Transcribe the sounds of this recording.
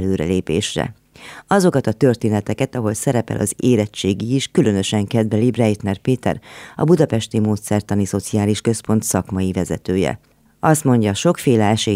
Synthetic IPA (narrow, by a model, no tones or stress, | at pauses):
løːɾɛ̰leːpḛːʃrɛ̰ | ɒzo̞kɒt̪ɒt̪ø̞rt̪eːnɛt̪ɛkɛt̪ɒɦo̞lsɛɾɛpɛ̰lʔɒ̰zeːɾɛt͡ʃːeːɡiiʃkylø̞nø̞ʃɛŋkɛd̪vɛlibrɛjt̪nɛrpeːt̪ɛ̰rɒ̰bud̪ɒpɛʃt̪imoːt̪sɛrt̪ɒniso̞t̪sijaːliʃkø̞spo̞nt̪sɒkmɒjivɛzɛ̰t̪øːjɛ̰ | ɒst̪mo̞ɲɟɒʃo̞kfeːlɛɛʃeː